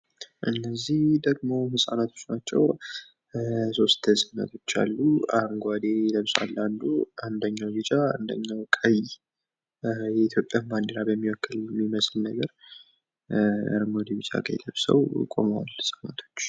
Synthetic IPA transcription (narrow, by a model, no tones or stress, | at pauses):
ʔɨnːəzːihd̪əɡmo̞hɨsʼanat̪ʰo̞t͡ʃːnat͡ʃːɛw | so̞st̪ʰəsʼɨnə̰t̪ʰo̞t͡ʃːa̰lːuaŋɡʷad̪eləβsa̰lːand̪uʔand̪əɲːawbɛt͡ʃʼaand̪əɲːawkʼʰəj | jɛit̪ʰjo̞pʼːjamand̪əɾabəmːiwɔkːɨlmːiməsɨlnəɡəɾ | ja̰ɾmwd̪ebit͡ʃʼa̰kʼəjləβsə̰wkʼo̞̰mwa̰lhɨsʼanat̪ʰo̞̥t͡ʃː